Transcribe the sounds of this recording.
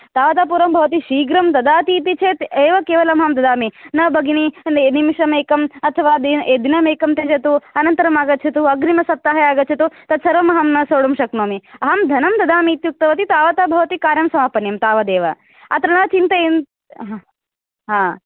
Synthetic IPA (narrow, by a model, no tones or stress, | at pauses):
t̪aːʋɐt̪aːpuːɾɐmbʱɐʋɐt̪̬iʃiːɡɾɐmt̪ɐd̪aːt̪iːt̪it͡ʃʰeːt̪eːʋɐkeːʋɐlɐmɦɐmd̪ɐd̪aːminɐbʱɐɡininimiʃɐmeːkɐmɐt̪ʰɐʋaːd̪ied̪inɐmeːkɐmt̪eːd͡ʒɐt̪uɐnɐnt̪ɐɾɐmaːɡɐt̪ːt͡ʃʰɐt̪uɐɡɾimɐsɐp̚t̪ːaːɦɐjaːɡɐt̪t͡ʃʰɐt̪ut̪ɐt̪sɐɾʋɐmɐɦɐmnɐsoːɽumʃɐknoːmiɐɦɐmd̪ʱɐnɐmt̪ɐd̪aːmiːt̪juk̚t̪ɐʋɐt̪it̪aːʋɐt̪aːbʱɐʋɐt̪ikaːɾjɐmsɐmaːpɐnjɐmt̪aːʋɐd̪eːʋɐ̰ | ɐ̰t̪ɾɐnaːt͡ʃint̪ɐen | ɦ | ɦãː